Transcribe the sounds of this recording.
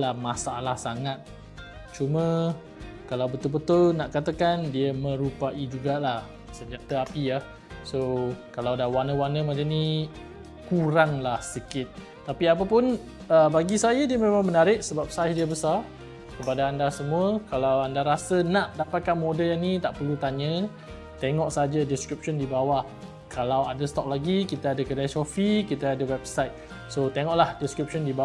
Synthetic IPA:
lahmasaalahsaŋat̪̚ | t͡ʃumə̃ | kalawbət̪ʊlbət̪ʊlnaʔkat̪akandiəmə̃ɾupaʔid͡ʒuɡalah | səɲd͡ʒat̪əapijah | sokalawdawanəwanəmad͡ʒəni | kuɾaŋlahsikɪt̪̚ː | apiap̬əpʊn | əbaɡisajadiəmẽmãŋmənaɾɪʔsəbap̚sajdiəbəsa | kəpadaandasəmuəkalawandaɾasənaʔdapat̪̚kanmodəljanit̪aʔpərlut̪aɲə̃ | t̪eŋɔʔsaɦad͡ʒadiskɾip̚ʃɔndibawa | kalawadəst̪ɔk̚laɡikit̪aadəkədaʃɔfikit̪aadəwɛbsajt̪̚ | sot̪eŋɔʔlahdiskɾip̚ʃɔndiba

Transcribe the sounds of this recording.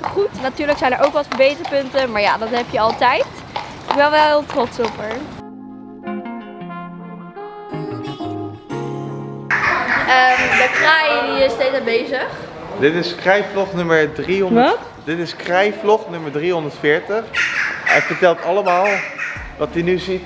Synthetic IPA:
χutnatyːɹləksɛjndəɹʔowkʋɑtfəɹbejtəəpɵntəmaːɹja̰ːdɑtɦɛpjəɑlˠtɛjt | ɪʋɛlˠʋɛlˠtrɔtsɔpəɹ | əmdəkrajdiɪstejtabejzəχ | dɪtɪskrɛjflɔχnɵməɹdriɔn | dɪtɪskrɛjflɔχnɵməɹdriɦɔndəɹtfɪːɹtəχɛ̰jfəɹtɛlˠtɑləmaːlˠʋɑtinyzit

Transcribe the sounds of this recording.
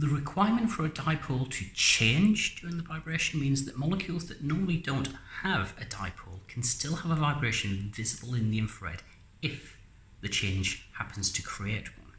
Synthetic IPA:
ðəɹɪkʰw̥aɪəmə̃ntfəɹədaɪpʰolˠtʰɨt͡ʃʰẽɪ̃nd͡ʒd̥jɔɹɪ̃ŋðəvaɪbɹeɪʃə̃n̩mĩnzðəʔmɒlˠəkʰj̥ulˠzðəʔnɔːɹməl̩ˠidõʊ̃nʔəvɨdaɪpʰolˠkʰə̃n̩stɪlˠəvəvaɪbɹeɪʃɨ̃nvɪzəbəlˠɪ̃nðiɨ̃ɱfɹɛ̰d | ɪf | ðɨt͡ʃʰẽɪ̃nʒ̥hapʰə̃n̩z̥tʰəkʰɹ̥ieɪʔwʌ̰̃n

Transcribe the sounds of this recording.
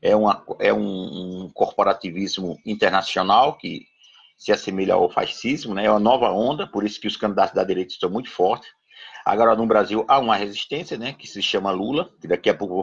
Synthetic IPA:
ɛũɐɛũkoɾpoɾat̪ivizmʊĩt̪eɾnasionawkɪ | sɪasemiʎɐa̰wfa̰sizmʊnɛɛũmɐ̃nɔvɐõnd̪ɐpoɾisʊ̥kɪʊskɐ̃nd̪id̪at̪ʊzd̪ɐd̪iɾejt̪ɐɪ̥ʃst̪ɐ̃w̃mũj̃t̪ʊ̥fɔɾt̪ɪ̥s | a̰ɡɔɾɐnʊbɾaziwʔaũmɐheziʃt̪ẽsiɐnɛkɪ̥sɪʃɐ̃mɐlulɐkɪd̪akiɐpowkʊ

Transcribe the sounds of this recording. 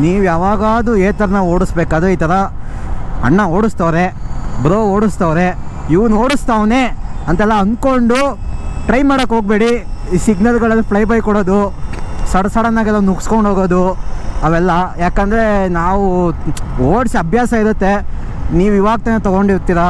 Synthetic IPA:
niːʋujaːʋaːɡaːd̪ueːt̪ɐɾɐnaːʋoːɽusbeːkaːd̪ɾeiːt̪ɐɾɐ | ɐ̰ɳːɐoːɽust̪ɐʋɾebɾoːoːɽust̪aʋɾeiʋnoːɽust̪aːʋne̞ːɐnt̪ɐɛlːɐɐnkoɳɖuʈɾɐjmaːɽɐkːɦoːɡ̚be̞ːɽisiɡnɐlɡɐɭɐlːipʰɭɐjbɐjkɔɽoːd̪usɐɽɐsɐɽɐnːaːɡɛlːɐnuksko̞ɳɖʱɦoːɡo̞ːd̪uɐʋɛlːɐjaːkɐnd̪ɐɾe̞naːʋu | oːɖsiɐbʱjaːsɐiɾut̪ːe̞ | niːʋiʋaːɡ̚t̪ɐnːet̪ɔɡo̞ɳɖiɾt̪iɾɐ

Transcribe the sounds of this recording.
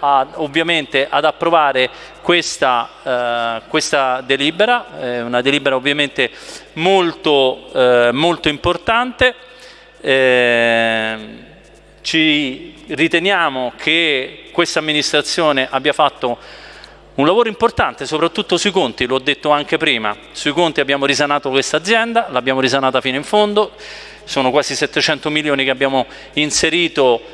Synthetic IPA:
aovːjament̪eʔad̪apːɾovaːɾe | kwest̪a | kwest̪ad̪eliːbeɾaɛunad̪eliːbeɾaovːjament̪e | molt̪o | molt̪oimport̪ant̪e | ɛ | t͡ʃi | rit̪enjaːmokʰekwest̪amːinist̪ɾat̪sːjoːneʔabːjafat̪ːo | unlavoːɾoimport̪ant̪esopɾat̪ːut̪ːosuikont̪iloɔd̪ːet̪ːoaŋk̟epɾiːma̰ | suikont̪iabːjaːmoɾizanaːt̪okwest̪ad̪zːjɛnd̪alabjaːmoɾizanaːt̪afiːnoiɱfond̪o | soːnokwaːzisɛt̪ːet͡ʃɛnt̪omiljoːnikeabːjaːmo | inseɾiːt̪o

